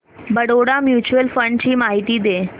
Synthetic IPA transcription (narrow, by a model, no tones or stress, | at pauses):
bəɽoɽamjuːt͡ɕuəlfəɳɖt͡ɕiːmaɦit̪iːd̪e